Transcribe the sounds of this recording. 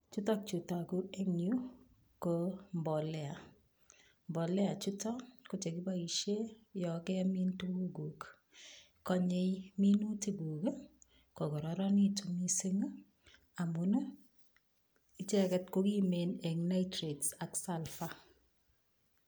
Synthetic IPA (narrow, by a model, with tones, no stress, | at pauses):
t͡ʃu˦ta˦k̚t͡ʃu˨ta˨ku˦e˦ŋju˦ | ko˨mbɔ˨lɛ˦a˨ | mbɔ˨lɛ˦a˨t͡ʃu˦tɔ˦ko˨t͡ʃe˨ki˦ba˦i˨ʃe˦jɔ˨kɛ˦mi˦ntu˦bu˦ɡu˨k | kɔ˦ɲe˦jmi˦nu˦ti˦bu˨ke˦ | ko˨kɔ˨ɾɔ˨ɾɔ˦ni˦tumi˦se˦ŋ˦ | a˨mu˨no˦ | i˦t͡ʃɛ˦kɛ˦tko˦ki˦me˨nɛ˨ŋna˦ɪtɾe˨dsa˨ksa˦lfa˦